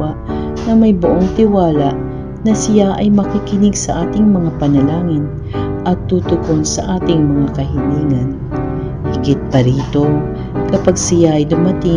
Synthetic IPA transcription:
aʔ | nɐmɐjbʊʔoŋt̪ɪwaːlɐʔ | nɐsɪjaʔɐjmɐkikɪnɪɡsɐʔaːt̪ɪŋmɐŋapɐnɐlaːŋɪn | ʔɐt̪ːuːt̪ʊkonsɐʔaːt̪ɪŋmɐŋakɐɦɪniːŋɐn | hɪɡɪt̪̚pɐɾiːt̪o̞ | kɐpaɡ̚sɪjaʔɐjd̪ʊmɐt̪ɪ

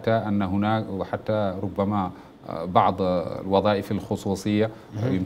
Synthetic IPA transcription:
t̪ːaʔanːɦʊnaːwħat̪ːaɾˤʊbːama | bɑʕd̪ˤlwɑðˤɑːʔɪfalxʊsˤuːsˤɨjːa | jɪm

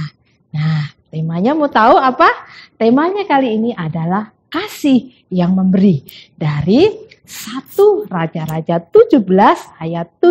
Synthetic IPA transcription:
naht̪emaɲamut̪auapat̪emaɲakaliːniʔadalah | kasɪh | jaŋməmbəɾidaɾi | sat̪urad͡ʒaɾad͡ʒat̪ud͡ʒubəlasajat̪ːu

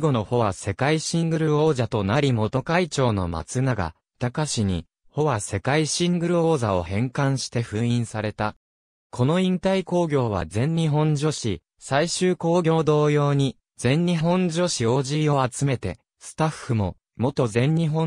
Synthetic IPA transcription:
ɡo̞no̞ho̞βase̞kaiɕĩŋɡɯ̟ɾɯ̟o̞ːʑat̪o̞naɾʲimo̞t̪o̞kait͡ɕo̞ːno̞ma̰t͡sɨnaɡa̰ | t̪akaɕiɲ̟ḭ | ho̞βase̞kaiɕĩŋɡɯ̟ɾɯ̟o̞ːzao̞hẽ̞ŋkãɰ̃ɕi̥t̪e̞ɸɯ̟̃ĩɰ̃saɾe̞t̪a | kʰo̞no̞ĩnt̪aiko̞ːɡʲo̞ːβ̞a̰zẽ̞ɲɲiɦõ̞ɲd͡ʑo̞ɕi | saiɕɨːko̞ːɡʲo̞ːd̪o̞ːjo̞ːɲ̟i | d͡zẽ̞ɲ̟ɲiɦõ̞ɲ̟d͡ʑo̞ɕio̞ːʑiːo̞at͡sɨme̞t̪e̞ | sɨ̥t̪aɸːɯ̟mo̞ | mo̞t̪o̞zẽ̞ɲɲiɦõ

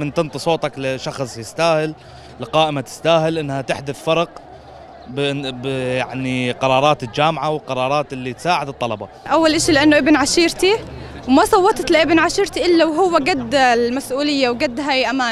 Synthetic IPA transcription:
mɪnt̪ɨnt̪ˤɨsˤoːt̪ˤɑklɪʃɑxsˤjɪst̪aːhɪlː | qɑːʔɪmat̪ɪ̥st̪aːhɪlʔɪnːhat̪ɪħd̪ʊθfɑɾˤɑq | bbjaʕniqɑɾˤɑːɾˤɑːt̪ɪld͡ʒaːmʕawɪlqɑɾˤɑːɾˤɑːt̪ʔɪlːit̪saːʕɪd̪ɨt̪ˤːɑlɑbɑ̰ | ʔawːalʔaʃilɪʔanːʊʔɪbnʕaʃiːɾt̪iwmasˤɑwːɑt̪ˤt̪lɪʔɪbnʕaʃiːɾt̪iʔɪlːawɦʊwːaɡad̪ːlmasʔuːlɪjːawɡad̪ːɦaːjʔamaː

